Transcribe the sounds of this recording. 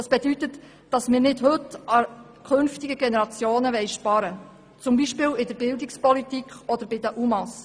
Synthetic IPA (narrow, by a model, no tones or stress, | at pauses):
ɑːsb̥edytət | d̥ɑsmɪːɾnɪdhɵtɑ | kʰɵnftiɡəɡɛnɛɾɑt͡sjoːnəʋɛɪʃpɑɾə | t͡sʊmbiʃpɪːwɪd̥əɾbɪldɪkspɔlitikχɔd̪əɾbɪdəʔumɑs